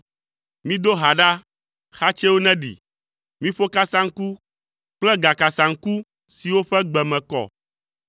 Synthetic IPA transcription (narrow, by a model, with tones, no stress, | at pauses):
mĩ˦d̪o˦ɦa˨ɖa˦ | xa˦t͡ʃɛ˦wo˦nɛ̃˦ɖḭ˨ | mĩ˦ɸo˦ka˦sa˦ŋ̩˦ku˦ | k͡plɛ˦ɡa˨ka˨sã˨ŋ̩˦ku˦ | si˨wo˦ɸɛ˦ɡ͡bɛ˨mɛ̃˨kɔ̰˨